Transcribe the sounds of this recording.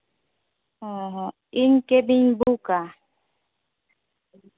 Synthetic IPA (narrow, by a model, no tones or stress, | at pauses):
ɔɦɔ | iŋ̩kebiɲbuka